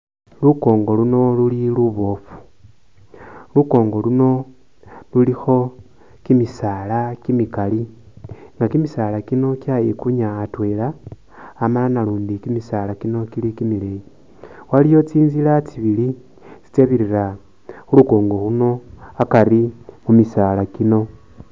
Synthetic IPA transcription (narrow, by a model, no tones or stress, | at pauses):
luko̞ːŋɡo̞luno̞luliluβo̞fu̥ | luko̞ːŋɡo̞luno̞ | lulixo̞ | kimisaːlakimikali | ŋɡakimisaːlakino̞kjajekuɲaːtwelaː | malanaluːndikimisalakino̞kilikimileji | walijo̞t͡siːnzilat͡siβili | t͡si̥t͡se̞βiɾira | xuluko̞ːŋɡo̞huno̞akaɾimumisaːlakino̞